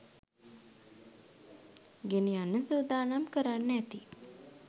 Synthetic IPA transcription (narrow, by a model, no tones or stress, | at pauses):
ɡeneanːəsud̪aːnamkəɾanːæt̪i